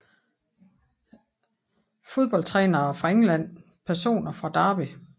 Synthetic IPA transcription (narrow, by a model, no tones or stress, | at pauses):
fo̝ðˠb̥ɒ̽lt͡sʰʁɛːnɐːfʁɑ̈eŋlæn̰ | pʰæɐso̝̰ːnɐfʁɑ̈d̥ɑ̈ːb̥i